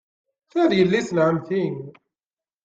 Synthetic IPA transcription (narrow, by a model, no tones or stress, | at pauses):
θæðjəlːisənʕəmθiŋ